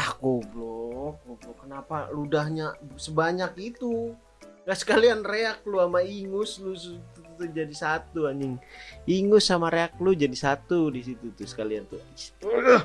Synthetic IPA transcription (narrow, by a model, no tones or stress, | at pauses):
ahkoblɔk̚oblɔkːənapaludahɲasəbaɲakit̪u | ŋasə̥kalianreak̚luamaiŋʊslust̪ut̪ut̪ud͡ʒadisat̪uaɲɪŋiŋʊsamaɾeak̚lʊd͡ʒadisat̪udisit̪ut̪usə̥kaliant̪uii̥t̪u